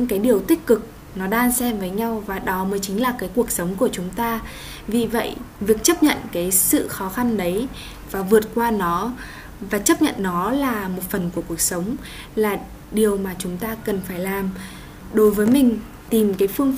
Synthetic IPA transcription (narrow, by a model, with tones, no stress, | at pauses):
ɲɨ̰˧˥ŋkaː˨˦jɗi˨˩əwt̪ï˦˥k̟̚kɨ˨˩k̚ | nɔ˨˦ɗaː˧nsɛ˧mvəː˨˦jɲa˧wvaː˨˩ɗɔ˨˦məː˨˦jt͡ɕï˨˦ŋ̟laː˨˩kaː˨˦jku˨˩ək̚sə˨˦wŋ͡mku˧˩ət͡ɕʊ˨˦ŋ͡mt̪aː˧ | vḭ˨˩və̰˧˨jvi˨˩ək̚t͡ɕə˦˥p̚ɲə̰˧˨nkaː˨˦jsɨ̰˧˨xɔ˨˦xa˧nɗə˨˦j | vaː˨˩vɨ˨˩ət̚kwaː˧nɔ˨˦ | vaː˨˩t͡ɕə˦˥p̚ɲə̰˧˨nːɔ˨˦laː˨˩mo˨˩t̚fə˨˩nku˧˩əku˨˩ək̚sə˨˦wŋ͡m | laː˨˩ | ɗi˨˩əwmaː˨˩t͡ɕʊ˨˦ŋ͡mt̪aː˧kə˨˩nfaː˧˩jlaː˨˩m | ɗo˨˦jvəː˨˦jmï˨˩ŋ̟ | t̪i˨˩mkaː˨˦jfɨ˧əŋ